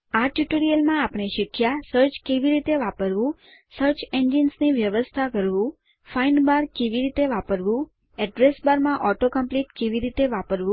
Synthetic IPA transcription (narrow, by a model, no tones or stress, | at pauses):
aʈjuʈoɾijəlmãapɳ̃eʃɪkʰjasəɾt͡ʃkeʋiɾit̪eʋapəɾʋũ | səɾt͡ʃend͡ʒinsniʋjəʋəst̪ʰakəɾʋũ | fainɖbaɾkeʋiɾit̪eʋapəɾʋũ | ɛɖɾesbaɾmãʔɔʈokəmpliʈkeʋiɾit̪eʋapəɾʋũ